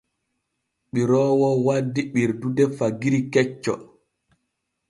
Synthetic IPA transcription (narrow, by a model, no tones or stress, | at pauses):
ɓiɾɔːwɔwadːiɓiɾdudɛfaɡiɾikɛt͡ʃːɔ̰